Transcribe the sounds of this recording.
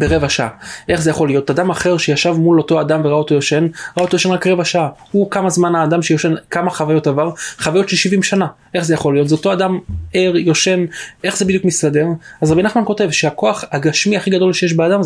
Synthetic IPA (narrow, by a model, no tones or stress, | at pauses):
b̥eʁevaʃaaʔe̞χzejaχo̞lijo̞t̪ad̪amaχe̞ʁʃejaʃavmulo̞to̞adamveʁao̞t̪o̞jo̞ʃe̞nʁao̞t̪ojoe̞nʁakʁevaʃaaukamazmanaːd̪amʃejo̞ʃe̞nkamaχavajo̞tavaʁχavajo̞t̪ʃelʃivimʃana | ʔe̞χzejaχo̞lːijo̞t̪zeot̪o̞adameʁjo̞ʃe̞nʔe̞χzebidijukmist̪ade̞ʁazʁabinaχmanko̞te̞vʃeako̞aχhaɡaʃmiaχiɡado̞lʃejeʃ̬beadam